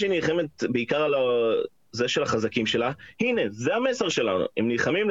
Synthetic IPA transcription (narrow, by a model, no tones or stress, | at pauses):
ʃenilχe̞me̞t̪̚beikaʁala | zeʃe̞laχazakimʃe̞lahine̞zehame̞seʁʃe̞lanṵemnilχamim